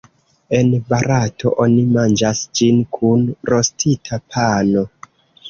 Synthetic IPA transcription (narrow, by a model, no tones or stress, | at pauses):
e̞nbaɾatʰo̞̰ʔo̞nimand͡ʒasd͡ʒinkʰunɾo̞stʰitʰapʰano